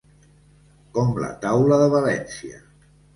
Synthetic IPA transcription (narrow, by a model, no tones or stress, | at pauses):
kɔmlə̰t̪awləðəβalɛnsiə̰